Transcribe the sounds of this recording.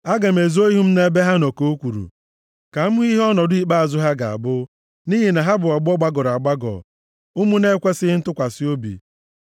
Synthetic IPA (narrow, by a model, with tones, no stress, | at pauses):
a˦ɡa˨m̩e˨zo˦i˦ɦu˦m̩˦ne˦be˦ɦa˦nɔ˨ko˨o˦kʷu˨ɾṵ˨ | ka˨˦ʊ˦i˦ɦɔ˦nɔ˨dʊ˦i˨k͡pa˦a˨zʊ˦ɦa˦ɡa˨a̰˨bʊ˦ | ni˦ɦi˦na˨ɦa˦bʊ˨ɔ˨ɡ͡bɔ˦ɡ͡ba˦ɡɔ˨ɾa˨ɡ͡ba˦ɡɔ̰˨ | ʊ˦mu˦ne˦kʷe˦sɪ˦ɪ˦n̩˦tʊ˦kʷa˨sɪ˦o˦bḭ˨